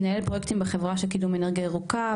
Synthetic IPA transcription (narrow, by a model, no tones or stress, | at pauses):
naelpʁojekt̪imbeχevʁaʃelkidumeneʁɡiaeʁuka